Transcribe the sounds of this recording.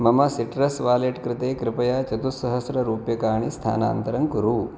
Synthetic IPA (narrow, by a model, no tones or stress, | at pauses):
mɐmɐsiʈɾɐsʋaːleʈkɾɪt̪eːkɾɪpɐjaːt͡ʃɐt̪usɐɦɐsɾɐɾuːpjɐkaːɳ̃ist̪ʰa̰ːna̰ːnt̪ɐɾɐŋkuɾu